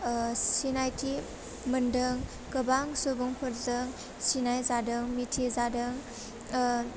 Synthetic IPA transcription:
sinajtʰi | məndəŋ | kəbaŋsobuŋpʰɯɾdɯŋ | sinajzadɯŋmitʰizadɯŋ

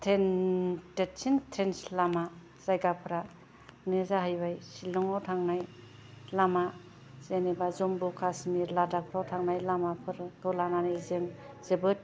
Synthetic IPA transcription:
tʰentett͡ʃintʰenslama | z̥ajɡapʰɯɾa | nɯzaɦajbajsilɔŋawtʰaŋnaj | lama | zenebazɔmbukʰasmiɾladak̚pʰɾawtʰaŋnajlamapʰɯɾɡɯlananajzɯŋ | z̥ɯbɯt̚

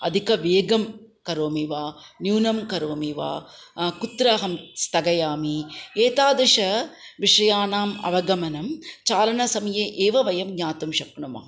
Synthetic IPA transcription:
ɐd̪ʱikɐʋeːɡɐmkɐɾoːmiʋaːnjuːnɐmkɐɾoːmiʋa̰ːkut̪ɾaːɦɐmst̪ɐɡɐjaːmieːt̪aːd̪ɐʂɐʋiʂɐjaːnaːmɐ̰ʋɐɡɐmɐnɐmt͡ʃaːlɐnɐsɐmɐjeːʔeːʋɐʋɐjɐmɡɲaːt̪umʃɐkɳumɐ̰

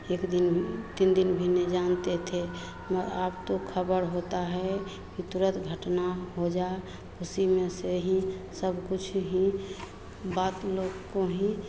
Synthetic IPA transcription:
eːkd̪int̪ind̪inbʱined͡ʒant̪et̪ʰe | məɾabt̪okʰəbəɾɦot̪aɦɛ | kit̪uɾət̪ɡʱəʈnaɦod͡ʒae | kusimeseɦĩsəbʱkut͡ʃʰɦĩ | bat̪loɡkoɦĩ

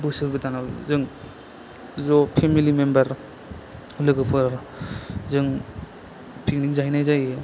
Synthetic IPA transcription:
bɯsɯɾbɯtanazɯŋ | zɔpʰemilimembaɾ | lɯɡɯpʰɯɾ | zɯŋ | pʰik̚niŋzaɦijnajzaje

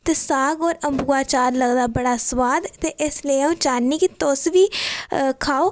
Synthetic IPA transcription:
t̪eːsaːɡɔːɾəmbuːaːt͡ʃaːɾləɡd̪aːbəɽaːswaːd̪t̪eːʔɪslə̃t͡ʃaːnːiːkit̪osʋiːkʰaːoː

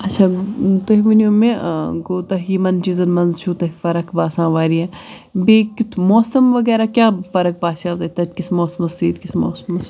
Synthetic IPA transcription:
ɐtːʃʰat̪ɐɦʋinoːmẽɡoːt̪ɐɦiːmɐnt͡ʃizɐnmɐnzt͡ʃʰuːt̪ɐɦifɐɾɐkbaːsãːʋaːɾijã | beːkʲut̪ʰmoːsɐmʋɐɡɛːɾaːkʲjaːfɐɾɐk̚baːsaːzɐt̪ɐt̪ʲkismoːsmɐsiːd̪kismo̰ːsmɐs

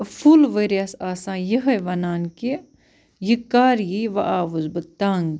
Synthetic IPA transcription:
fʰulʋɐɾjɐsaːsãːjiɦɐjʋɐnaːnki | jikaːɾjiʋɐʔaːʋuzbɨt̪aŋɡ

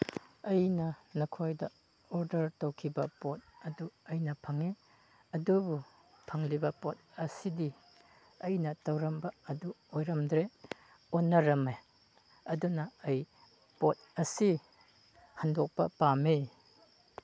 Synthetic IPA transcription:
ɐjnɐnɐkʰojdɐ | oɾdɐɾtowkʰibɐpot̚ɐduɐjnɐpʰɐŋi | ɐdubu | pʰɐŋlibɐpot̚ | ɐsidi | ɐjnɐtɐwɾɐmbɐɐduojɾɐmdɾe | onːɐɾɐme | ɐdunɐːj | pot̚ɐsi | hɐndok̚pɐ̰pami

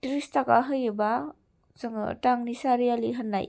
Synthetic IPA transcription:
tɾistaka̰ɦɯjɯba | zɯŋɯ̰taŋnisaɾijaliɦanːa̰j

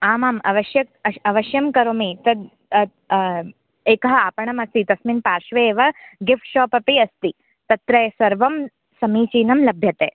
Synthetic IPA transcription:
aːmaːmɐ̰ʋɐʃjɐk̚ɐɐʋɐʃjɐmkɐɾoːmit̪ɐd̪ | eːkɐɦɐaːpɐɳɐmɐst̪it̪ɐsminpaːɾʃʋeːʋɐɡifʈʃɔːpɐpiɐst̪i | t̪ɐt̪ɾɐjsɐɾʋɐm | sɐmiːt͡ʃiːnɐmlɐbʱjɐt̪eː

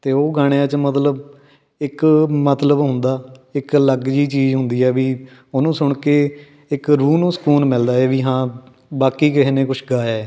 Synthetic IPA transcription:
t̪eːoːɡaːɽ̃ejãːt͡ʃmət̪ləb | ɪkmət̪ləbɦʊ̃nd̪aːɪkləɡd͡ʒiːt͡ʃiːzɦʊ̃nd̪iːɛːʋiː | ʊnũːsʊɳkeː | ɪkɾuːnũːsə̥kuːnmɪld̪aːeːʋiːɦãː | baːkiːkɪɦneːkʊt͡ʃʰɡaːjaː

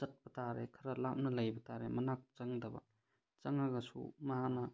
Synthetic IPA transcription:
zɐt̚pɐtaɾḛkʰɐɾɐlap̚nɐlɐjbɐtaɾemɐnak̚t͡ʃɐŋdɐbɐ̰ | t͡ʃɐŋɐɡɐsṵmɐɦanɐ

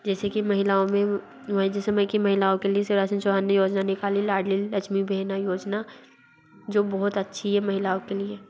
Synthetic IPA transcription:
d͡ʒɛːsekimɐɦɪlaːõmẽ | ʋd͡ʒesɐməjkimɐɦɪlaːõkelieseɾaːsənt͡ʃoʋaːnːəjoːd͡ʒnanɪkaːlilaːɖliɐt͡ʃʰmibʱɛːnajoːd͡ʒna | d͡ʒoːbɔɦʊt̪ɐtːʃʰiɦɛmɐɦɪlaːõkelie

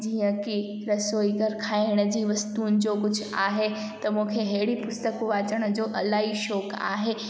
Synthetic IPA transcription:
d͡ʑiːə̃ki | ɾɐsoːiɡʱɐɾkʰaːɪɽ̃ə̆d͡ʑiːʋɐst̪uːnɪ̆d͡ʑoːkʊd͡ʑʱʊ̆aːɦe | t̪ɐmũːkʰeɦeɦɪɽipʊst̪əkʋaːt͡ɕəɽ̃ʊ̆d͡ʑoːʔɐlaːɦiʃɔːka̰ːɦe

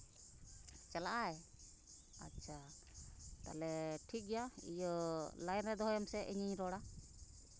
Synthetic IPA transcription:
t͡ʃalaʔaj | a̰t͡ʃʰʃʰa | t̪a̰lɛʈʰik̚ɡɛjaḭjɔlajnɾɛd̪ɔɦɔjɔmsɛʔiɲiɲɾɔɽa

